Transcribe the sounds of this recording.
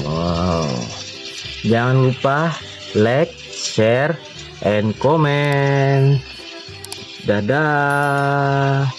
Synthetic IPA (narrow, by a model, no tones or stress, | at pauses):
wa | d͡ʒaŋanlupah | lɛk̚sɛr | ɛnkomɛn | dada